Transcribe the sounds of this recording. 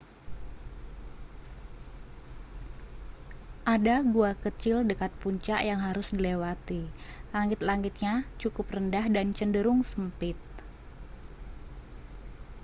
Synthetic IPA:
ʔadaɡuakət͡ʃɪldəkat̪̚puɲt͡ʃaʔjaŋɦaɾʊsdilewat̪ilaŋɪt̪̚laŋɪt̪̚ɲat͡ʃukʊprəndahdant͡ʃəndəɾʊŋsəmpɪt̪̚

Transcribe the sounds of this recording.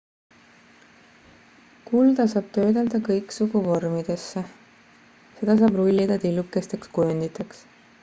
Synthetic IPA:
kuld̪̥ɑsɑːb̥̚t̪ø̞ːd̪eld̪̥ɑkɤjksuɡuvo̞rmid̪̥e̞sːe | se̞d̪̥ɑs̬ɑːbrulʲːid̪ɑd̪ilːukːˑe̞st̪e̞kskujond̪it̪ːˑɑks

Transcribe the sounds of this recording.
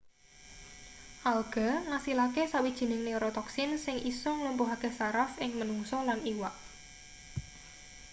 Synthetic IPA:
ʔalɡ̥a̤ŋasilakesawid̥ʒ̥i̤nɪŋneɾɔt̪ɔksɪnsɪŋʔisɔŋlumpuɦaɡ̥ɛ̤saɾafɪŋmənuŋsɔlaniwaʔ

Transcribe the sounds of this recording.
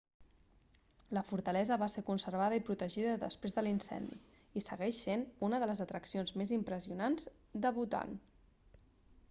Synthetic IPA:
ləfuɾt̪əlɛzəβaseɾkunsəɾβ̞aðəipɾut̪əʒiðəðə̰spɾezðəlinsɛ̰nd̪ḭ | isəɣɛʃsenunəðələzət̪ɾəksionzmezimpɾəziunanz̥ | d̪əβut̪a̰n

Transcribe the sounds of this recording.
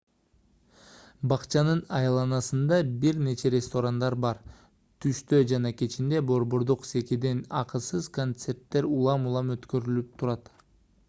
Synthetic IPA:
bɑqt͡ʃɑnɯnɑjɑlˠɑnɑsɯnd̪ɑbiɾne̞t͡ʃe̞ɾest̪o̞ɾand̪ɑɾbɑɾ | t̪ʰyʃt̪ød͡ʒɑnɑke̞t͡ʃind̪e̞bo̞ɾbo̞ɾd̪uqse̞kid̪e̞nɑqɯsɯzkont̪se̞ɾt̪ːe̞ɾulˠɑmulˠɑmøt̪kø̞ɾylyp̚t̪ʰuɾɑt̪

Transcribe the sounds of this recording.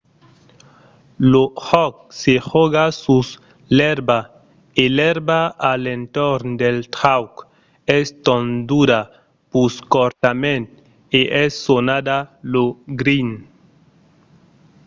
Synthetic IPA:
lohɔk̚sexɔɡasus | lɛɾba | elɛɾbaalẽnt̪oɾnd̪elt̪ɾawk | ɛst̪õnd̪uɾa | puskoɾt̪amẽnt̪ | eʔɛsːonad̪aloɡɾin

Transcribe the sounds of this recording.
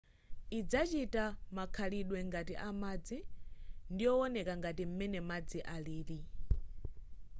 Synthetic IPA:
id͡zat͡ʃitamakʰaliɗwɛŋɡatiʔamad͡zindijɔɔnɛkaŋɡatim̩mɛnɛmad͡ziʔaliːli

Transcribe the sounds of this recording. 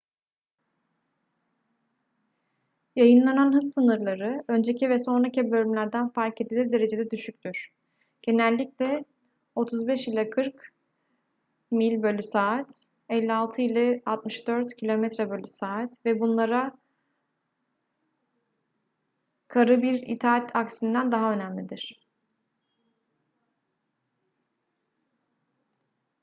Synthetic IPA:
jajɯnlˠananɦɯzsɯnɯɾlˠaɾɯø̞nd͡ʒe̞cʰivɛso̞nɾacibø̞lʲymlʲæɾd̪ænfaɾked̪ilʲɛd̪e̞ɾe̞d͡ʒe̞d̪ɛd̪yʃyc̚ʲt̪ʰyɾ̥ | ɟ̥e̞nælʲːiclʲɛ | o̞t̪ʰuzbɛʃilʲakʰɯɾk | milʲbølʲysaːt̪ | ɛlʲːialˠt̪ʰɯilʲˠɛalˠt̪mɯʃd̪øɾt̪cʰilʲo̞mɛt̪ɾɛbølʲysaːt̪vɛbunlˠaɾa | kʰaɾɯbiɾḭt̪ʰaːat̪ʰaksind̪ænd̪aɦaø̞næmlʲid̪iɾ̥

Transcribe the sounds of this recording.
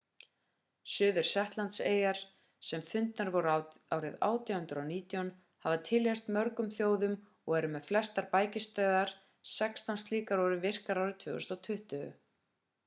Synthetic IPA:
sʏːðʏɾ̥sɛht̪lant̪seːjaɾ̥ | sɛmfʏnt̪naɾvɔɾaːwɾɪða̰ːwt̪jahʏnt̪ɾawniːt̪jɔn | havat̪ʰɪlejst̪mœɾkʏmθjoːwðʏm | ɔɣɛɾʏmɛðflɛst̪aɾpaːjcɪst̪œːðaɾ̥ | sɛkst̪anst̪liːkaɾɔwɾɪvɪr̥kaɾawɾɪðt̪ʰvʏːɣɛst̪ɔwt̪ʰʏht̪ʏʏ̰

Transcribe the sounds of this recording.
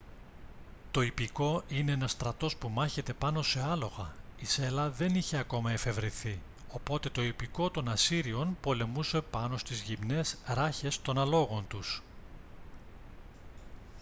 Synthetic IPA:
t̪o̞ipiko̞ʔineenɐst̪ɾɐt̪o̞spumɐçe̞t̪e̞pɐno̞se̞ɐlo̞ɣɐise̞lɐðe̞niçe̞ɐko̞mɐe̞fe̞vɾiθi | o̞po̞t̪e̞t̪o̞ipiko̞t̪o̞nɐsiɾio̞npo̞le̞muse̞pɐno̞st̪izʝimne̞sɾɐçe̞st̪o̞nɐlo̞ɣo̞nt̪us

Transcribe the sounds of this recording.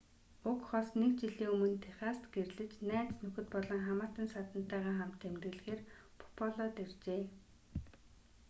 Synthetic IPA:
ʊkχɔsnekt͡ɕiɮiːɵmɵ̆nt̪ʰæχaːst̪ɡerɮɘ̆t͡ɕnæːt͡snɵxɘ̆t̪̚pɔɮɞ̆ŋχamaːt̪ə̆nsat̪ə̆n̥t̪ːæːʁaːχam̥t̪ːemt̪ɘ̆ɮ̆xeːr | pʰɔ̥pʰɔɮɔt̪ert͡ɕeː

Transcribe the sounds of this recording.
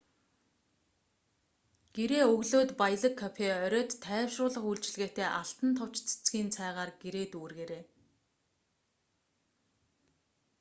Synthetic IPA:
ɡ̥eɾeːɵɣɮoːt̪paj̆ɮə̆kʰːapʰeœɾʲœːt̪ʰːæːwʃrʊːɮə̆χuɮt͡ɕɪ̆ɮɣeːt̪eːʔaɬt̪ə̆nt̪ʰɔw̥t͡ɕt͡sʰe̥t͡sɡiːnt͡sʰæːʁaːrɡeɾeːt̪uːrɣeːɾeː

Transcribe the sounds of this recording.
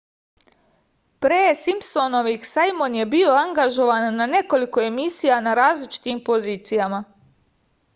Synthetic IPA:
pɾeːsimpsonoʋiksajmo̞nje̞bio̞aŋɡaʒo̞ʋanːane̞ko̞liko̞e̞misijanaɾaːzlit͡ʃi̥t̪impo̞ziːt̪sijama

